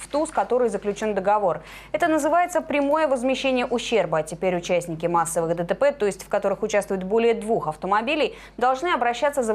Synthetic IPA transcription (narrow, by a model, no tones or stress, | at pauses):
ft̪uskɐt̪o̞ɾɨjzəklʲʉt͡ɕo̞nd̪əɡɐvo̞r | ɛt̪ənəzɨvajɪt̪səpɾʲɪmo̞jəvəzmʲɪɕːenʲɪjəʔʊɕːerbəɐtʲɪpʲeɾʲʊt͡ɕæsʲnʲɪkʲɪmasːəvɨxd̪ət̪əpɛt̪o̞ɪsʲtʲfkɐt̪o̞ɾɨxʊt͡ɕast̪vʊjʊt̪̚bo̞lʲɪjəd̪vuxɐft̪əmɐbʲilʲɪj | d̪ɐlˠʐnɨɐbɾɐɕːat̪sːəzə